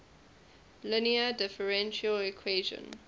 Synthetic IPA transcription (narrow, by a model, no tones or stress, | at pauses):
lɪniədɪfəɹɛ̃nʃəlɛkʰweːʒə̰̃n